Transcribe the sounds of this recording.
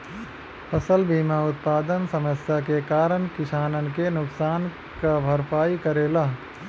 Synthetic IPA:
pʰɐsəlbiːmaʊt̪̚paːd̪ənsɐməsjakekaːɾəɳkɪʃaːnənkenʊksaːn | kabʱɐɾpaːikɐɾeːlaː

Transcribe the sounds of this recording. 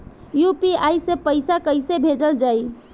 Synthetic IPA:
jupiajsepəɪsakəjsebʱed͡ʒəld͡ʒaj

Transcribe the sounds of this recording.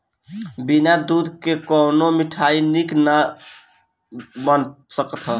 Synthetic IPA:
binad̪ud̪kekɔnomiʈʰainikna | bən | səkt̪ʰɦə

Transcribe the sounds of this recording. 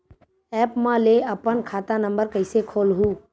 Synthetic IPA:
ɛːpmãleɐpənkʰaːt̪ãnə̃mbəɾkəɪsekʰoːlɦũː

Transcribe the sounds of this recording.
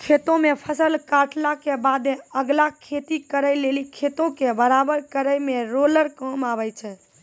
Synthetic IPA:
kʰet̪õmepʰəsəlkaʈlakebad̪meəɡlakʰet̪ikəɾəjlelikʰet̪õkebəɾabəɾkəɾəjmeɾoləɾkəmabəjt͡ʃʰɛ

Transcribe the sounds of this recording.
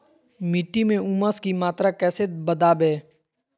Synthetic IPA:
mɪʈːimẽʊməskimaːt̪ɾakɛːset̪̚bəd̪aːbeː

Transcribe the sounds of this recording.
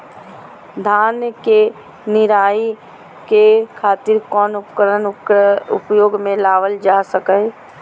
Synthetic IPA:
d̪ʱaːnjke | nɪɾaːi | kekʰaːt̪ɪɾkɔːnʊpkəɾənʊ̰pjoːɡmẽlaːʋəld͡ʒaːsəkə

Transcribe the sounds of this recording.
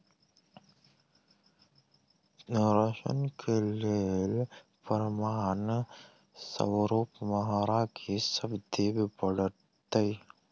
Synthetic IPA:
nɾəʃə̰nkʰelel | pəɾmaːn | sə̰wɾoːpməɦaɾakʰisəbd̪ibʱbəɽə | t̪əi

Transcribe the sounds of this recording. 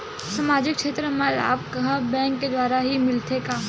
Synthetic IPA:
samaːd͡ʒɪkkʃʰeːt̪ɾəməla̰ːp̚kɐɦbɛ̃ːŋkːed̪waːɾaɦimɪlt̪ʰekaː

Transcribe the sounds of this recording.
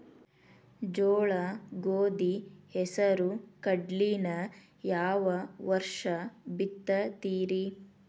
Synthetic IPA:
d͡ʒɔːɭɐɡoːd̪ihɛsɐɾukɐɖlinɐ | jaːʋɐʋɐɾʂɐbit̪ːɐt̪iːɾi

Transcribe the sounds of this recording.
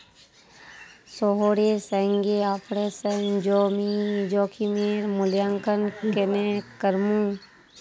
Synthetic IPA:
soɦoːɾesɛ̃ŋɡeapʰɽesɛd͡ʒoːmid͡ʒɔːkʰimeːɾmʊljaŋkənkenekəɾmũ

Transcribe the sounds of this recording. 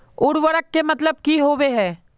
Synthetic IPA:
ʊɽʋəɾəkːemɐt̪ləb̚kiɦoːʋeɦɛː

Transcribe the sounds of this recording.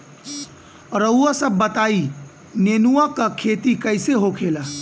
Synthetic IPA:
ɾəuasəbːət̪ai | nenuakakʰet̪ikəɪseɦokʰela

